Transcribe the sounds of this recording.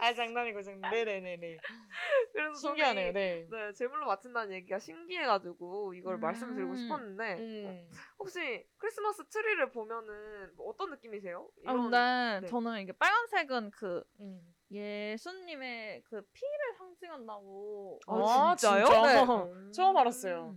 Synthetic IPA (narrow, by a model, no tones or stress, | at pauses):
at͡ɕaŋnaɲiɡɯd͡ʑane̞ne̞nene | kɯɾe̞sʰʌs̬ʰoŋɡeanejone̞ne̞t͡ɕe̞muɭːomat͡ɕʰɯndanɯnje̞ɡiɡaɕʰinɡie̞ɡad͡ʑuɡuiɡʌɭmaɭs͈ɯmɯɭtɯɭɡoɕʰipʰʌnːɯnde̞ | ɸok̚ɕ͈ikʰɯɾis͈ɯmas͈ɯtʰɯɾiɾɯɭpomjʌnɯnːt͈ʌnːɯk͈imis̬ʰe̞joianet͡ɕʌnɯniɡep͈aɭɡansʰe̞ɡɯnkɯ | jesʰunːime̞kɯpʰiɾɯɭsʰaŋd͡ʑiŋɦandaɡoat͡ɕit͡ɕ͈ajonet͡ɕʌmaɾas͈ʌjo